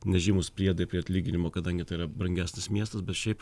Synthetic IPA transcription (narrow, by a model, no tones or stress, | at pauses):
nʲɛʒʲiːmʊspʲɾʲiɛd̪ɐpʲɾʲiːɐt̪ʲlʲiːɡʲɪnʲɪmoːkɐd̪ɐŋʲɡʲɪt̪ɐɪɪɾɐbɾɐŋʲɡʲæːsʲnʲɪsmʲiɛst̪ɐsbʲɛt̪ʃʲɛɪp